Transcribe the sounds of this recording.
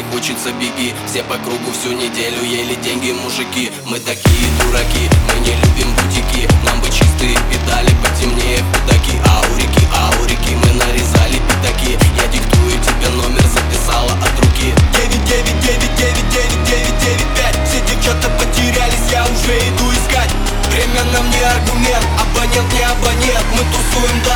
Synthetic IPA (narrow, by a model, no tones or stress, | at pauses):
xo̞t͡ɕɪt̪səbʲɪɡʲifsʲepɐkɾuɡʊfsʲunʲɪdʲelʲʊjelʲɪdʲeŋʲɡʲɪmʊʐɨkʲi | mɨt̪ɐkʲijəd̪ʊɾɐkʲimɨnʲɪlʲubʲimbʊtʲɪkʲinambɨt͡ɕist̪ɨjpʲɪd̪alʲɪpətʲɪmnʲejəkʊd̪akʲiʔaʊɾʲɪkʲiʔaʊɾʲɪkʲimɨnəɾʲɪzalʲɪpʲɪd̪ɐkʲijadʲɪkt̪ujɪmtʲɪbʲeno̞mʲɪrzəpʲɪsalˠəʔɐt̪ɾʊkʲidʲevʲɪt̚ʲdʲevʲɪt̚ʲevʲɪt̚ʲdʲevʲɪt̚ʲdʲevʲɪt̚ʲdʲevʲɪt̚ʲdʲevʲɪt̚ʲpʲætʲfsʲedʲet͡ɕot̪əpətʲɪɾʲælʲɪsʲjaʊʐɛɪd̪uɪskatʲ | vɾʲemʲenɐmnʲeɐrɡʊmʲe̞nt̪ɐpɐnʲent̪nʲɪɐpɐnʲet̪mɨt̪ʊsujɪmd̪